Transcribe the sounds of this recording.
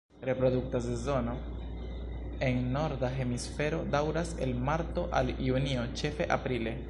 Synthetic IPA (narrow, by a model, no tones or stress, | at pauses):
ɾe̞pɾo̞duk̚tase̞zo̞no̞ | e̞ŋno̞ɾdaɦe̞misfe̞ɾo̞dawɾase̞̰lmaɾto̞ʔaljunio̞t͡ʃe̞fe̞ʔapɾile̞